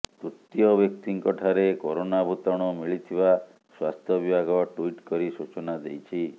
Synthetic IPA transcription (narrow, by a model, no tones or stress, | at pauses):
t̪ut̪ːijɔbjɔk̚t̪iŋkɔʈʰaɾekoɾonabʱut̪ɔɽ̃ɔmiɭit̪ʰiba | swa̰st̪ʰjɔbibʱaɡɔʈuiʈkɔɾisut͡ʃɔnad̪ḛjt͡ʃʰi